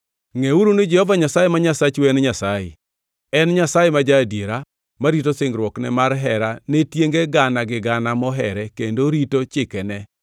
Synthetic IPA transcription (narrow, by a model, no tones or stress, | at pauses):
ŋeuɾunɪd͡ʒɛhɔvaɲasajemaɲasat͡ʃwɛnɲasajɪ̰ | ɛnɲasajemad͡ʒadjeɾa | maɾitosɪŋɡɾwɔknɛ̰marɦɛɾanetjeŋɡeɡanaɡɪɡanamɔɦɛɾɛkendoɾitot͡ʃɪkɛnɛ